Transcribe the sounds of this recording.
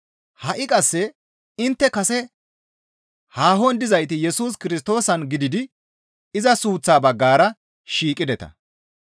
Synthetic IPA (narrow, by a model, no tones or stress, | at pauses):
hɐʔɪkʼɐsːɛ | ɪnt̪ːɛkɐsɛ | haːɦɔnd̪ɪzɐjt̪ɪjɛsuːs̬kɪɾɪs̬t̪o̞ːsɐnɡɪd̪ɪd̪ɪ | ɪzɐsuːt͡sːaːbɐɡːaːɾɐ | ʃiːkʼɪd̪ɛt̪ɐ̰